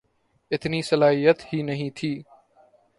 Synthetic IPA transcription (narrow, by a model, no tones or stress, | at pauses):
ɪt̪nisɐlaːɦijət̪hiːnɐɦĩːt̪ʰiː